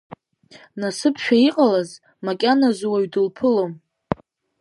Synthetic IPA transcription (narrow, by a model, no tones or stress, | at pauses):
nasɨpʰʃᶣaiqʼalaz | makʲʼanazwaɥdɨlpʰɨlom